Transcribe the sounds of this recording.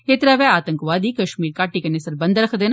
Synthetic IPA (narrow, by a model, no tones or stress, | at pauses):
keːt̪ɾaːʋɛːaːt̪əŋkʋaːd̪iːkɐʃmiːɾkaːʈiːkɐneːsəɾbənd̪ɾɐkʰd̪eːn